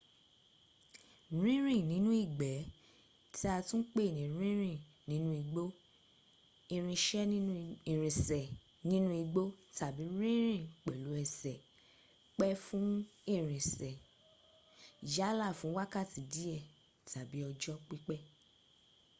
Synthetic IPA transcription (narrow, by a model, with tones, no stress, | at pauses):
ɾ̃ĩ˦ɾ̃ĩ˦˨nĩ˨˦nũ˦i˦˨ɡ͡bɛ˨˦ | tʰi˦a˧tũ˦k͡pe˦˨nĩ˨˦ɾĩ˦ɾ̃ĩ˦˨ | nĩ˨˦nũ˦i˧ɡ͡bo˦ | i˧ɾ̃ĩ˧ʃɛ˦i˨ɾĩ˨sɛ˨ | nĩ˦nũ˦i˧ɡ͡bo˦ta˨bi˨˦ɾĩ˦ɾ̃ĩ˦˨k͡pɛ˨lu˨˦ɛ˧˨sɛ˨ | k͡pɛ˦fũ˦i˦˨ɾ̃ĩ˨sɛ˨ | ja˦la˦˨fũ˨˦wa˦ka˦˨ti˨di˨˦ɛ˦˨ | ta˨bi˨˦ɔ˧d͡ʒɔ˦k͡pi˦k͡pɛ˦